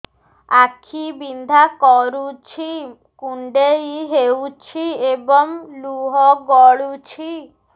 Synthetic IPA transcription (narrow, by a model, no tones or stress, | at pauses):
akʰibind̪ʱakɔɾut͡ʃʰi | kuɳɖeiɦewt͡ʃʰiebɔŋluɦɔɡɔɭut͡ʃʰi